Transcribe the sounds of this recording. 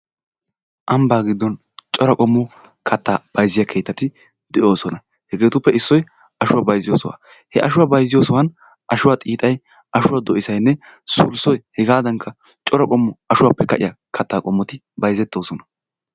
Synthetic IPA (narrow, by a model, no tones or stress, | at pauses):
ʔɐmbaːɡɪd̪ːɔn | t͡ʃʼɔɾɐkʼɔmːɔ | kʰɐt̪ːaːb̥ɐjzɪjɐkʰe̞ːt̪ːɐt̪ɪ | d̪̥ɛʔo̞ːsɔnɐ | hɛɡe̞ːt̪ʊpːɛɪsːɔj | ɐʃʊwaːbɐjzɪjoːsɔwa̰ː | hɛʔɐʃʊwabɐjzɪjoːsɔwɐn | ʔɐʃʊwaːt̪ʼiːt̪ʼɐj | ɐʃʊwad̪ɔʔɪsɐjnːɛsʊlsɔjhɛɡaːd̪ɐŋkʰːɐ | t͡ʃʼɔɾɐkʼɔmːʊɐʃʊwaːpːɛkɐʔɪjakʰɐt̪ːaːkʼɔmːɔt̪ɪ | bɐjzɛt̪ːo̞ːsɔnɐ̥